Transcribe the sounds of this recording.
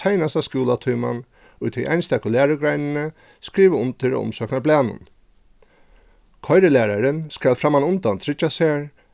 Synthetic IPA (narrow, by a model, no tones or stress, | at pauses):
ajnast̪askuːlat̪ʰuːma̰n | ʊjt̪ʰɪʔajnst̪ɛkʊlæːɾəɡɾajnɪnə | skɾiːʋəʊnt̪ʰɪɾa̰ʊ̰msœːknablæːnʊ̰n | kʰɔjɾɪlæːɾaɾɪnskælfɾamːanʊnt̪ant̪ʰɾɪt͡ʃːasæːɹ